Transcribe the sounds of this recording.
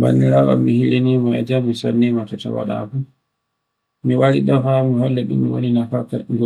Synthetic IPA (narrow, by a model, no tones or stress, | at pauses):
ba̰nːiɾawa̰mihilinimaɛ̰d͡ʒamːisanːimatɔta̰wa̰ɗa̰ku | miwaɾiɗɔfamuhɔlːɛɗṵmːiwo̰ninafakaɡɔ